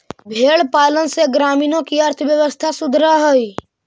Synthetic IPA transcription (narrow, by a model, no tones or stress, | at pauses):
bʱeːɭpaːlənseɡɾaːmiːnõkiəɾt̪ʰəʋjəʋəst̪ʰasʊd̪ʱɾaɦoi